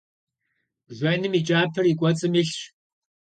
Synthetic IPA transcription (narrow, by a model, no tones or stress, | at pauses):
ʒʷɐnɨmit͡ʃʼaːpʰɨrikʷʼɔt͡sʼɨmiɬɕ